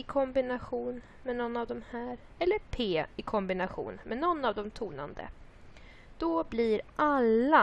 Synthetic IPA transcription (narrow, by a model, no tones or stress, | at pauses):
ɪkʰɔmbɪnaɧuːn | mɛnɔnːavd̪ɔmhæːɾ | ɛlːəɾpʰeːɪkʰɔmbɪnaɧṵːnmɛnɔnːavd̪ɔmt̪ʰuːna̰nd̪ə̰ | d̪̥ɔbliɾʔalːa